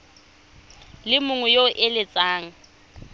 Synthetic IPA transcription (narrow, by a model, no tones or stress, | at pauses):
lɪmʊŋwɛjoʔɪlɪt͡sʼaːŋ̩